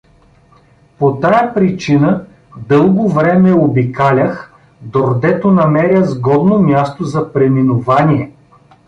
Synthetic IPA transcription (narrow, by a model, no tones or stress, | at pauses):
pot̪ajəpɾit͡ʃinə | d̪ɤlˠɡovɾɛmɛobikalʲəx | d̪oɾd̪ɛt̪onɐmɛɾʲjəzɡɔd̪nomʲjast̪ozɐpɾɛminʊvaniɛ